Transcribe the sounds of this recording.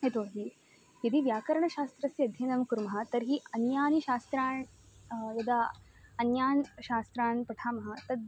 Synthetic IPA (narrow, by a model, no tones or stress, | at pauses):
et̪oːɦ̪i | jɐd̪iʋjaːkɐɾɐɳɐʃaːst̪ɾɐsjiɐd̪ʱjɐnɐmkuɾmɐɦɐ̆t̪ɐɾɦiɐnjaːniʃaːst̪ɾaːɳ | jɐd̪aː | ɐnjaːnʃaːst̪ɾaːnpɐʈʰaːmɐɦɐ̆t̪ɐd̪̚